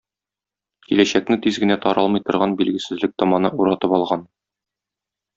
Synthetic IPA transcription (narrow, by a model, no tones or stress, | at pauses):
kilæɕæk̚nɘt̪izɡɘ̆næt̪ɒɾɑlˠmɤ̆jt̪ɤ̆ɾʁɑnbilɡɘ̆sɘ̆zlɘk̚t̪ɒmɑnɤuɾɑt̪ɤpɒlˠʁɑn